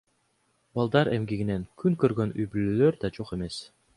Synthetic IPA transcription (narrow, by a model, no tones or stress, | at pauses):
bɑlˠd̪ɑɾɛmɡiɡinɛnkyŋkøɾɡønyjbyløløɾd̪ɑd͡ʒoχɛmɛs